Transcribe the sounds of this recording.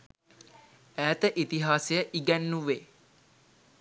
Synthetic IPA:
æːt̪əʔit̪iɦaːsejəʔiɡænːuʋeː

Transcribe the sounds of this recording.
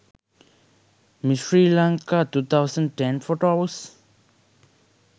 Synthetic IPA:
misɹilãŋkat̪ut̪ʰaʊsə̃ntɛ̃nfɔʈɔwəs

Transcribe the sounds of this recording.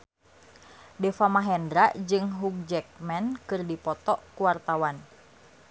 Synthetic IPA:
dɛfamaɦɛndɾaʔd͡ʒɨŋɦuk̚d͡ʒɛk̚mɛnkɨrdipɔt̪ɔʔkuwart̪awan

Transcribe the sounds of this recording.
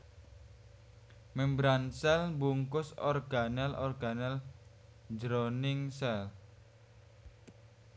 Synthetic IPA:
mɛmbɾansɛlmbuŋkʊsɔrɡ̥anɛlɔrɡ̥anɛl | d͡ʒɾɔnɪŋsɛl

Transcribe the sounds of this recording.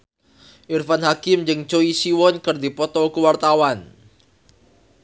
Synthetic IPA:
ʔirfanɦakɪmd͡ʒɨŋt͡ʃoisiwɔnkɨrdipɔt̪ɔkuwart̪awan

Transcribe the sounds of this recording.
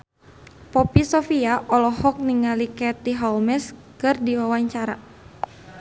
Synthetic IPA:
pɔpisɔfiaʔɔlɔɦɔk̚niŋalikɛt̪iɦaumɛskɨrdiwawaɲt͡ʃaɾa

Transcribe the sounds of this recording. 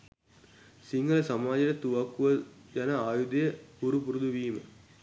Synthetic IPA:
siŋɡɐɭɐsɐmaːd͡ʑɐɾɐt̪uʋaːkːuʋɐd͡ʒɐnɐaːjud̪ɐjɐhuɾupurud̪uʋiːmɐ̰

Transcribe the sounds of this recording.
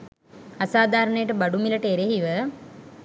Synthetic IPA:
asaːd̪aːɾənəjəʈəbaɖumiləʈəeɾeɦiʋə

